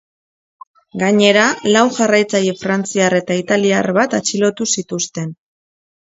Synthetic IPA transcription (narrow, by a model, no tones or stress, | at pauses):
ɡaɲe̞ɾalawʝarajt͡sajefɾant͡siare̞t̪ait̪aliarβat̪at͡ʃilo̞t̪usit̪ust̪e̞n